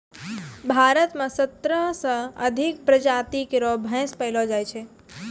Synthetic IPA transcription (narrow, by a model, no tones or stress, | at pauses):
bʱaɾət̪mãsət̪ɾəsə̃əd̪ʱik̚pɾəd͡ʒat̪ikeɾobʱə̃jspəɦilod͡ʒajt͡ʃʰe